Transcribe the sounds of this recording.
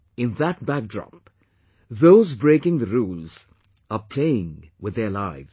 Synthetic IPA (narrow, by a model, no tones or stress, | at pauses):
ɪ̃nðæt̚bæk̚dɹɔ̰p | ðoʊzbɹeɪkɪ̃ŋðɨɹulˠz̥ | əpʰl̥eɪɪ̃ŋwɪðə˞laɪvz̥